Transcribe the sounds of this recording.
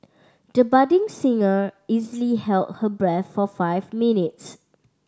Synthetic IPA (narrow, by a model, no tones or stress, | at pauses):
d̥əbadĩŋsĩŋəizəlihɛlt̚həbɹɛθfɔfaɪvminits